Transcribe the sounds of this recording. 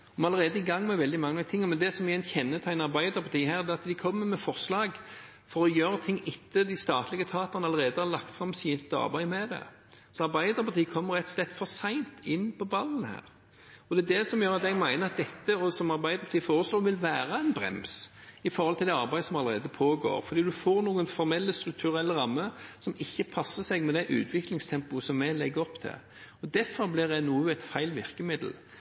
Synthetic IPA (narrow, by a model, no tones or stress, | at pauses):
ɔmɑləʁeːd̪əɪɡɑŋːmɛʋɛld̪ɪmɑŋːət̪ʰɪŋːɔmɛnd̪ɛsɔmɪɛnçɛnːət̪ʰæɪnɑɾbæɪd̪əɾpʰɑt̪ʰiːɦhæːʁd̪ɛːɑt̪d̪ɪkʰɔmːəmɛfɔʁslɑːɡ | fɔɾɔjøːɾət̪ʰɪŋːɪt̪ʰːəd̪ɪst̪ɑːt̪lɪɡət̪ʰɑːt̪əʁnəɑləʁeːd̪əhɑɾlɑkt̪fɾɑmsiːnt̪ːɑ̰ɾbæɪmɛd̪ɛ̰ | sɔɑɾbæɪd̪əɾpʰɑʁt̪ʰiːəkʰɔmːəɾʁɛt̪slɛt̪ːfɔɾsæɪnt̪ɪnːpʰɔbɑlːn̩hæ̰ːɾ | ɔd̪ɛd̪ɛsɔmjøːɾɑt̪ɛɡmæɪnəɾɑt̪̚d̪ɛt̪ːəɔsɔmɑɾbæɪd̪əpɑt̪iːfoːʁəsloːɾʋɪlʋæːɾəænbɾɛ̰ms | ɪfɔɾhɔlt̪ɪld̪ɛɑɾbæɪəsɔmɑləʁeːd̪əpʰoːɡo̰ːɾfɔɾd̪iːd̪ʉfoːɾnuːənfɔɾmɛlːəst̪ɾʉk̚t̪ʰʉʁɛlːəʁɑmːəsɔmɪçːəpʰɑsəsɛɡmɛd̪ɛʔʉ̰ːt̪ʰʋɪklɪŋst̪ʰɛmpʊəsɔmːælɛɡːəɔpt̪ʰɪ̰ | ɔd̪æfɔɾblɪʁɛnuːæɪt̪fæɪlʋɪʁkəmɪd̪l̩